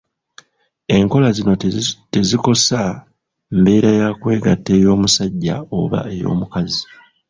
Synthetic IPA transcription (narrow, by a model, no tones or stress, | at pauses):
e̞ŋko̞lazino̞te̞ziko̞sa | mbe̞ːɾajakwe̞ːɡatːe̞ːjo̞ːmusaɟːa̰o̞̰βa̰e̞jo̞̰ːmukazi